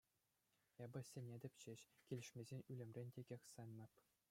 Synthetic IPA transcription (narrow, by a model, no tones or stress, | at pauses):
ebɤ̆sʲenʲedʲɘ̆pʲt͡ɕĕɕkʲilʲɘ̆ʂmʲezʲenʲylʲɘ̆mʲrʲenʲtʲeɡʲexʲsɑnʲnʲɑ̆pʲ